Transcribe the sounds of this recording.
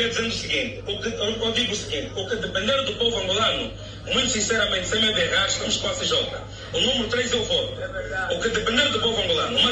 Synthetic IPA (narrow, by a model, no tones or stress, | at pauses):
ɛd̪izẽnd̪usɨɣĩnt̪ɨukɨkɔd̪iɣusɨɣĩnt̪ukɨd̪ɨpẽnd̪eɾðupovuɐ̃ŋɡulˠanu | mũj̃t̪u̥sĩsɛɾɐmẽnt̪semɛðɛʁaɾʃt̪ɐmuʃkõasɨʒɔt̪ɐ | unumɨɾut̪ɾezelˠvɔt̪ukɨd̪ɨpẽnd̪eɾðupovuɐ̃ŋɡulˠanumɐ